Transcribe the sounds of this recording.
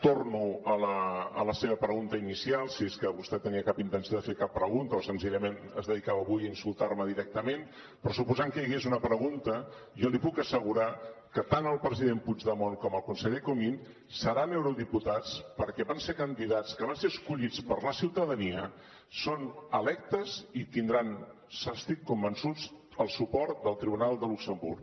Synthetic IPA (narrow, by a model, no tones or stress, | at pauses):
t̪ornuələələseβəpɾəɣunt̪əinisialˠsieskəβust̪ɛt̪əniəkapint̪ənsioðəfekapːɾəɣunt̪əosənziʎəmenəzðəðikaβəβujəinsulˠt̪aɾməðiɾɛk̚t̪əmen | pɾɔsupuzaŋkəjəɣezunəpɾəɣunt̪ə | ʒɔlipukəsəɣuɾakət̪anəlˠpɾəziðempud͡ʒðəmonkɔməlˠkunsəʎekumin | səɾanewɾuðiput̪at͡spəɾkɛβansekənd̪iðat͡skəβanseəskuʎit͡spəɾləsiwt̪əðəniə | sonəlɛk̚t̪əzit̪ind̪ɾan | sast̪it̪̚kumbənsud͡z | əlˠsupɔɾt̪d̪əlˠt̪ɾiβunalˠd̪əluksəmbṵɾk